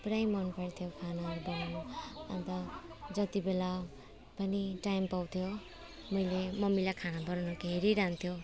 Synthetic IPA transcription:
prajmʌnpʌɾt̪ʰjokʰanabʌɾanʌ̰nt̪ʌd͡zʌt̪ibela | pʌniʈajmpawt̪ʰjo | mʌjlemʌmilakʰanabʌɾanʌkeɦeɾiɾaɦnt̪ʰjo

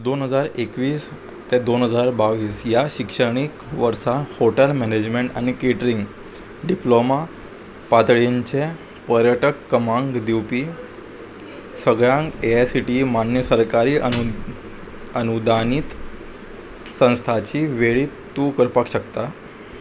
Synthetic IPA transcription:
d̪onɦəd͡zaɾekʋiːs | t̪ed̪onɦəd͡zaɾbaʋiːsjaɕikʂəɳ̃ik | ʋəɾsahoʈəlmɛned͡ʑmeɳʈa̰nikeʈɾiŋɡ | ɖiploma | pat̪ɭeɲt͡ɕe | pəɾjəʈəkːəmãŋɡd̪iwpiː | səɡɭjãŋkesiʈimanjəsəɾkaɾiː | ənud̪ʱaniːt̪ | sə̃w̃st̪ʰat͡ɕiːʋeɭiː | t̪ːukəɾpakɕəkt̪a

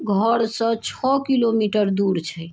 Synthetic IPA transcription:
ɡʱəɽsə̃t͡ʃʰɔkilomiʈəɾd̪uɾt͡ʃʰɛ

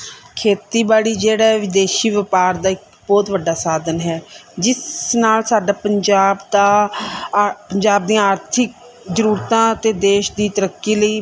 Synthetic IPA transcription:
kʰeːt̪iːbaːɽiːd͡ʒeːɽaːʋɪd̪eːʃiːʋəpaːɾd̪aːɪk | bɔːt̪ʋəɖːaːsaːd̪ənɦɛːd͡ʒɪsnaːlsaːɖaːpəɲd͡ʒaːbd̪aː | pəɲd͡ʒaːb̚d̪ĩaːɾt̪ʰɪk̚ | zəɾuːɾt̪ãːət̪eːd̪eːʃd̪iːt̪əɾəkːiːləiː

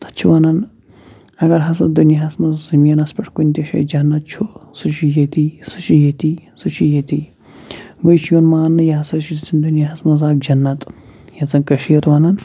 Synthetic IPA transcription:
t̪ɐ̥t͡ʃʰuʋɐnɐn | ɐɡɐɾɦɐsɐd̪unjɐɦɐsmɐzzɐmijɐnɐspɐʈʰkunʲt̪ʲɐʃɐ̰jd͡ʒɐnːɐt̪̚t͡ʃʰusut͡ʃʰijɐt̪isɨt͡ʃʰijɐt̪isɨt͡ʃʰijɐt̪i | bəjʃjonmaːnːɨjɐɦɐsɐt͡ʃʰizit͡sʰind̪unjɐɦɐsmɐzaːk̚d͡ʒɐnːɐt̪ʼjɐzɐnkɐʃiːɾʋɐnɐn

